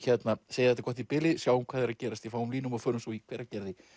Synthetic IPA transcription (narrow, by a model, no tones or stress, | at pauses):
çɛt̪naseːjɪθɛt̪akɔht̪ipɪlɪsjaːwʏmkʰvaːðɛɾacɛːɾast̪jɛfaːwʏmliːnʏmafœːɾʏmsɔikʰvɛːɾacɛɾðɪ